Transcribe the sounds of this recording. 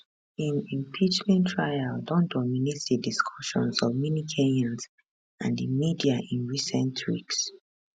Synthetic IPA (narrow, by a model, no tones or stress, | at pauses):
ĩnĩmpʰid͡ʒmɛ̃ntʰɹajaldɔ̃ndɔminetdədiskʰɔʃɔ̰̃nsɔvminikʰeɛ̃nz | ãndəmidiaʔĩnɹisɛ̃ntʰwḭks